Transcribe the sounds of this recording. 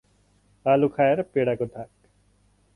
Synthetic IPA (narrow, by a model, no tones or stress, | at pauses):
aːlukʰaːeɾpeːɽakod̪ʱak